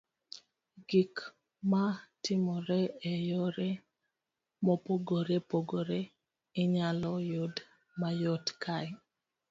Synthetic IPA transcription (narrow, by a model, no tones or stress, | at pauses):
ɡik | matɪmɔɾɛejoɾe | mɔpoɡoɾepoɡoɾe | ɪɲalɔjod | majɔtkʰaj